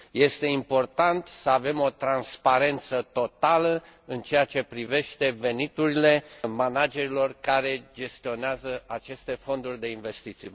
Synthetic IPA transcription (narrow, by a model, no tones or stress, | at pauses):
je̞st̪e̞impo̞rt̪ant̪səave̞mo̞t̪ɾanspaɾe̞nt̪sət̪o̞t̪aləɨnt͡ʃe̞jat͡ʃe̞pɾive̞ʃt̪e̞ve̞nit̪uɾile̞manad͡ʒe̞ɾilo̞rkaɾe̞d͡ʒe̞st̪io̞neazəat͡ʃe̞st̪e̞fo̞nd̪urʲd̪e̞inve̞st̪it̪si